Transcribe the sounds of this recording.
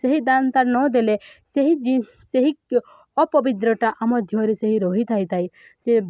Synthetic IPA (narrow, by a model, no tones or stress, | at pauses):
seɦid̪ant̪aɾnɔd̪eleseɦid͡ʒi | seɦi | ɔpɔbit̪ɾɔʈaʔamɔd̪ʱjɔɾiseɦiɾɔɦit̪ʰajt̪ʰai | se